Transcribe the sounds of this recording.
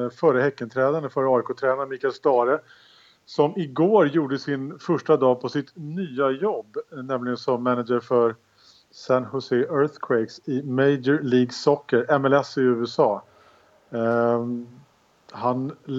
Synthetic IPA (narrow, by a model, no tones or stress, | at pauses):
fœɾəhɛkːənt̪ʰɾɛːd̪anəfœɾəɑːɪkoːt̪ʰɾɛːnaɾəmiːkaɛlst̪ɑːɾə | sɔmɪɡoːɾjuːɖəsɪnfœʂʈad̪ɑːpʰɔsɪt̪nyːajɔbːnɛmlɪɡənsɔmːænad̪d͡ʒəɾfœɾ | sænhʊsɛʔœɾθkʰweɪksɪmeɪd͡ʒəɾliːɡsɔkːəɾɛmɛlɛsɪʉ̟ːɛsɑː | han